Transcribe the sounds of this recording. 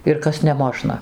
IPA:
ɪr ˈkɐs nʲɛˈmoːʒnɐ

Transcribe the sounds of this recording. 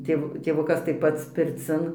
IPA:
ˈtʲeːw tʲeːˈʋʊkɐs tɐɪ ˈpɐts pʲɪrʲˈt͡sʲɪn

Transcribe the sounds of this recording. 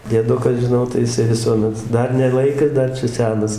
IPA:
dʲiɛˈdʊkɐs ʒʲɪˈnɐʊ tɐɪ jɪˈsɐɪ ʋʲɪˈsuɔmʲɛt ˈdɐr nʲɛ ˈlˠɐɪkɐs ˈdɐr t͡ʃʲɛ ˈsʲæːnɐs

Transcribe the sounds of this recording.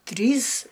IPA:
ˈtʲrʲiːs

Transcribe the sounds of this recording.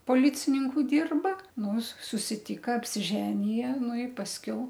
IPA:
poːˈlʲɪt͡sʲɪnʲɪŋkʊ ˈdʲɪrbɐ nʊs sʊsʲɪˈtʲiːkɐ ɐpʲsʲɪˈʒʲæːnʲɪjɛ ˈnʊ ɪ pɐsʲˈkʲɛʊ

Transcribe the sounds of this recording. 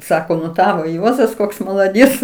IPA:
ˈsɑːkoː nʊ ˈtɑːʋoː ˈjuɔzɐs ˈkoːks mɐlˠɐˈdʲiɛt͡s

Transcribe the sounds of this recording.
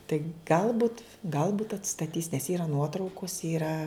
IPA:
tɐɪ ˈɡɐlˠbʊt ˈɡɐlˠbʊt ɐtstɐˈtʲiːs nʲɛs ˈiːrɐ ˈnuɔtrɐʊkoːs ˈiːrɐ

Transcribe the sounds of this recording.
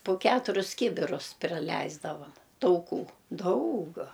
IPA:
pʊ ˈkʲæːtʊrʲʊs ˈkʲiːbʲɪrʊs pʲrʲɪˈlʲɛɪzdɐʋɐm tɐʊˈkuː ˈdɐʊk

